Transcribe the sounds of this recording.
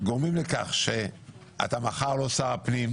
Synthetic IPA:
ɡoʁmimleka̰χʃe | a̰t̪amaχaʁlo̞saʁapnim

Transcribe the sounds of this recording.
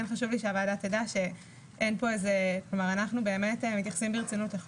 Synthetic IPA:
enχaʃuvliʃeavaːdatedaʃe̞ | ʔenpo̞ezeklomaʁanaχnube̞ːme̞temit̪jaχḁsimbeʁet͡sinuteχ

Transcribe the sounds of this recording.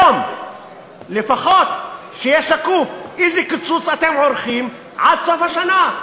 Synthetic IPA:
om | lɪfaxot̪̚ | ʃijɛʃakufʔizikːɪt͡sːut͡sʔat̪emʕʊɾxim | ʕad̪sˤofaʃana

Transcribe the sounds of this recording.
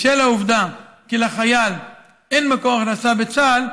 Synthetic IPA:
ʃelauvd̪a | kilaχajal | enmakoaχnasabet͡sal

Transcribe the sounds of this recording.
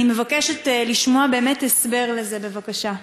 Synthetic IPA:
ime̞vakeʃetliʃmoabeːmetesbe̞ʁleze̞be̞vakaʃa

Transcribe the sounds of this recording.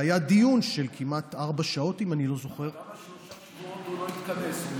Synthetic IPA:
ajadijunʃelkʰimat̪aʁbaʃao̞timanilo̞zo̞χe̞ʁ | doloit̪kanes

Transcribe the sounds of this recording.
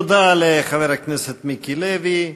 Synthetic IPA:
d̪aleχaveɾakneset̪mikilevi

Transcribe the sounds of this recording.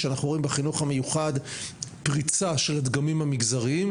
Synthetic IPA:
eanaχnuoimbeχinuχame̞juχadpʁit͡saʃe̞lad̪ɡamimhamiɡzaʁim

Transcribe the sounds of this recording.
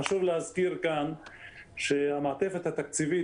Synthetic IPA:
aʃuvlehazkiʁkan | ʃehamaːt̪efet̪hat̪ak̚t͡sivi

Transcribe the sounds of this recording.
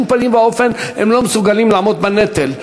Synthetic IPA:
lpanimbaofenhḛmlo̞mesuɡalimlaːmot̪̚banet̪el

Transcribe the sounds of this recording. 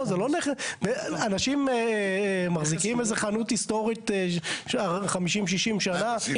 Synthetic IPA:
zeloneχebeanaʃim | maχzikimezeχanutist̪o̞ʁit | aχamiʃimʃ̬iʃimʃana

